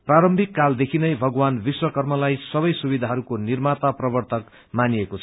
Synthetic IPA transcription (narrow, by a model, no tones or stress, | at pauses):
praɾʌmbʱikːald̪ekʰinʌjbʱʌɡwanbiswʌkʌrmʌlajsʌbʌjsubid̪ʱaɦʌɾukonirmat̪aprʌbʌrt̪ʌk | maniekoʌ